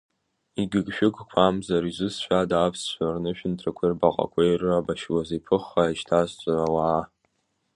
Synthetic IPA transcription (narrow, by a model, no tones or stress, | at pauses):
iɡʲɪɡʃᶣʊkʰʼkʷʰamzaɾizʷɨsʃʷᶣadaːpʰsʃʷarnɨʃᶣɪntʰrakʷʰirbaqʼa̰kʷʰejrɨabaʃwazepʰɨχaiʃtʰazt͡sʷʼarawaː